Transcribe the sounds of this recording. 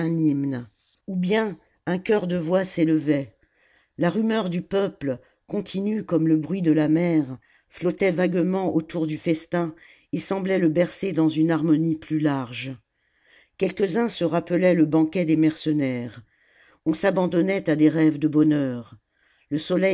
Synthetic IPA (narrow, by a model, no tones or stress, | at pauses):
ɛ̃nimn | ubjɛ̃ | ɛ̃kʲœʁd̪əvwaseləvɛ | laʁymœʁd̪ypœplə | kɔ̃t̪ʰinykɔmləbʁɥid̪əlamɛʁ | flɔt̪ɛvaɡmɑ̃ʔot̪uʁd̪yfɛst̪ɛ̃ | esɑ̃blɛləbɛʁsed̪ɑ̃zynaʁmɔniplylaʁʒ | kʲɛlkəzɛ̃səʁapəlɛləbɑ̃kʲɛd̪emɛʁsənɛʁ | ɔ̃sabɑ̃d̪ɔnɛt̪ad̪eʁɛvd̪əbɔnœʁ | ləsɔlɛj